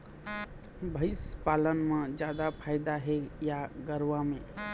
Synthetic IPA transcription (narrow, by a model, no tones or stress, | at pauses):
bʱəɪspalənmed͡ʒjad̪apʰajd̪aɦejaɡəɾwame